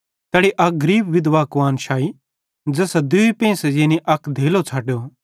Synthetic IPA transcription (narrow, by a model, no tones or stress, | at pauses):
t̪ɛːɽiʔɐk̚ɡɐɾiːbʋɪd̪ʋaːkʋaːnʃʰaːi | d͡zɛːsad̪ʊipẽːsɛd͡ʒeːnĩʔɐkd̪ʱeːlot͡sʰaːʈjo